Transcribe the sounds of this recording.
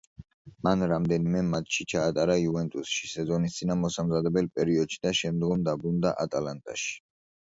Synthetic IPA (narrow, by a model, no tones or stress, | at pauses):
manɾamd̪ɛnimɛmat̪ʰʃit͡ʃʰaːt̪ʼaɾaiuvɛnt̪ʼusʃi̥sɛzɔnist̪sʼinamɔsamzad̪ɛbɛlpʼɛɾiɔd̪ʃid̪aʃɛmd̪ɡɔmd̪abɾund̪aʔat̪ʼalant̪ʼa̰ʃi̥